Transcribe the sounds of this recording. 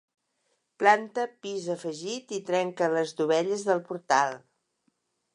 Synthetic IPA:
plant̪əpizəfəʒit̪it̪ɾɛŋkələzd̪uβɛʎəzðəlˠpuɾt̪alˠ

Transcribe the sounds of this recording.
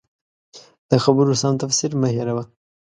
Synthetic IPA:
d̪̥əxabəɾosɑmt̪afsiɾmaɦiɾawa

